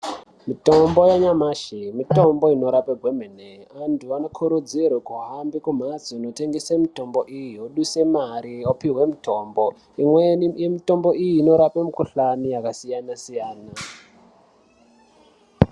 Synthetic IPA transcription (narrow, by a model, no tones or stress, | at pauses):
mito̞mbo̞jaɲamaːʃimito̞mbo̞ino̞ɾapeɡʱwemeneantʰuanokʰuɾud͡zirwekuɦambikum̤azino̞te̞ŋɡesemito̞mbo̞ʔijijoɗuse̞maɾiopiɦwe̞mitʰo̞ːmbo | imwejemito̞mbo̞ʔijiːno̞ɾapemukuɬanijakasijanasijaːna